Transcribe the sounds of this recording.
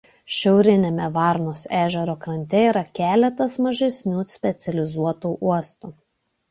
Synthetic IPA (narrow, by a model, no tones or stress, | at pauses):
ʃʲɛʊɾʲɪnʲemʲɛʋɑˑɾnoːsæːʒʲɛɾoːkɾɐnʲt̪ʲɛiːɾɐkʲæːlʲɛt̪ɐsmɐʒʲɛsʲnʲuːsʲpʲɛt̪sʲɛlʲɪzuɔt̪uːˑʔuɔst̪uː